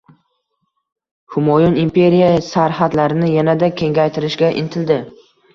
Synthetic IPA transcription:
hʊmɒjɒnɪmpʰe̞ɾijasaɾhat̪laɾɪnɪjanad̪akʲʰe̞ŋɡʲajt̪ʰɪɾɪʃɡʲaʔɪ̰nt̪ʰɪld̪ɪ

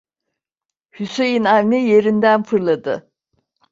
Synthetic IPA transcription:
hyse̞jinavnije̞ɾind̪ænfɯɾlˠad̪ɯ

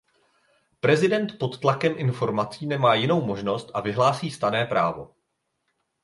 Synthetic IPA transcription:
pɾɛzɪdɛnt̪po̞t̪ːlakɛmʔɪnfo̞ɾmat͡siːnɛmaːjɪno̞wmo̞ʒno̞st̪ʔavɪɦlaːsiːst̪anɛːpɾa̰ːvo̞̰

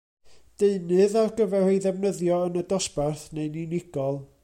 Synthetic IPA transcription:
d̥eɨnɨðarɡəvɛrejðɛvnəðjɔənədɔsbarθneɨninɪɡɔlˠ

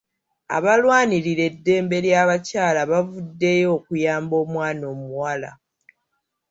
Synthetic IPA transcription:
a̰βalwaːniɾiɾe̞dːe̞ːmbe̞ɾjaːβacaːlaβavudːe̞jo̞ːkujaːmbo̞ːmwaːno̞ːmuwala̰

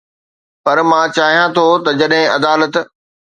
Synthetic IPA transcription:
pɐɾmãːt͡ɕaːɦijãt̪ʰot̪ɐd͡ʑɐɗɦɪ̃ɐd̪aːlət̪

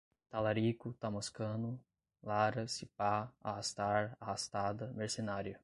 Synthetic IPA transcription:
t̪alaɾikʊt̪amoskɐ̃nʊ | laɾɐsipaa̰hast̪aɾahast̪ad̪ɐmeɾsenaɾjɐ

